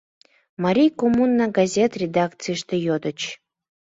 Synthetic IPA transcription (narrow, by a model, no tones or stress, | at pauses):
maɾʲijkomunːaɡazʲet̪rʲed̪akt̪t͡sɨjʃt̪ejod̪ət͡ɕ